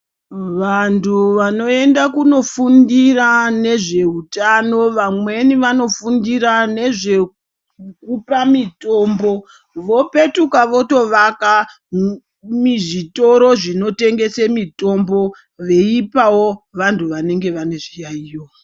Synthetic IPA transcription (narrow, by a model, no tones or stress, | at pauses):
ʋantʰuʋano̞e̞ndakuno̞fundirane̞ʐe̞utano̞ʋamwe̞niʋano̞fundiɾane̞ʐe̞ | kupamito̞ːmbo̞ | ʋo̞pe̞tukaʋo̞to̞ʋaka | miʐito̞ɾo̞ʐino̞te̞ŋɡe̞semito̞mbo̞ | ʋe̞ipawo̞ʋantʰuʋane̞ŋɡe̞ʋane̞ʐijaijo